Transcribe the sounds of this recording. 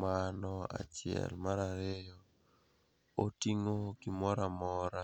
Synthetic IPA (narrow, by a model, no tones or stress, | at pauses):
manɔa̰t͡ʃɪɛ̰lmaɾaɾejɔ | otiŋoɡimɔɾamɔɾa